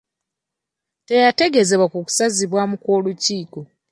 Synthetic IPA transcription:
te̞jate̞ɡe̞ze̞βwakuku̥saziβwamukwo̞ːluciːko

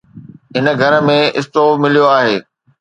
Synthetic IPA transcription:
ɪnəɡʱɐɾəmẽɪ̰st̪oːmɪlijoaːɦeː

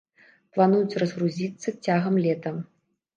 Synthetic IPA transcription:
plˠanujut͡sʲrɐzɣruzʲit̪sːɐt͡sʲaɣɐmlʲɛt̪ɐm

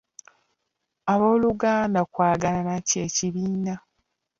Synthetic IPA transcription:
aβo̞ːluɡaːndakwaːɡalanace̞ːciβiːna

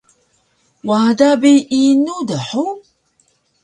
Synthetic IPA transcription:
wad̪abiʔinud̪aħu

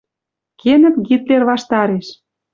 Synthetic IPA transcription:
kenə̆t̪ɡit̪lerβɑʃt̪ɑɾeʃ

